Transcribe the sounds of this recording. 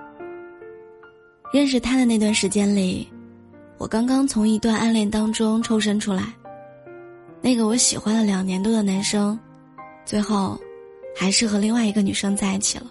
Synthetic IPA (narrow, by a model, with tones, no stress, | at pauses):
ɻə˥˧nʂɻ̩˧˩t̪ʰa˥d̪ə˨na˥˩ɪt̪wa˥˩nʂɻ̩˧˥t͡ɕjɛ˥nli˨˩˦ | wɔ̰˨˩kɑ˥ŋkɑ˥ŋt͡sʰʊ˧˥ŋi˧˥t̪wa˥˩nʔa˥nljɛ˥˩nt̪ɑ˥ŋʈ͡ʂʊ˥ŋʈ͡ʂʰo˥ʊʂ̬ə˥ŋʈ͡ʂʰu˥la˧˥ɪ | na˥˩ɡə˩wɔ˧˥ɕi˨˩xwa˥nlə˨ljɑ˨˩ŋnjɛ˧˥nt̪wɔ˥d̪ə˨na˧˥nʂɤ˥ŋ | t͡swe˥˧ɪxo˥˩ʊ | xa˧˥ɪʂɻ̩˥˩xɤ˧˥li˥˧ŋwa˥˩ɪi˧˥ɡə˧ny˨˩ʂɤ˥ŋt͡sa˥˩ɪ˥˩t͡ɕʰḭ˨˩lə˦